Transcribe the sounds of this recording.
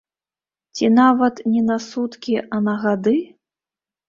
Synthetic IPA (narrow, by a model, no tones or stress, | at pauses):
t͡sʲinavɐt̪nʲɛnasut̪kʲiʔɐnɐɣad̪ɨ